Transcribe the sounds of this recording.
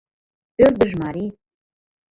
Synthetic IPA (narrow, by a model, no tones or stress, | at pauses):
pørd̪ə̆ʒmɑɾi